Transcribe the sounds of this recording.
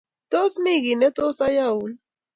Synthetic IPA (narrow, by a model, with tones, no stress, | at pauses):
t̪o˦smi˦ɡi˨ne˦t̪o˦sa˦jau˨l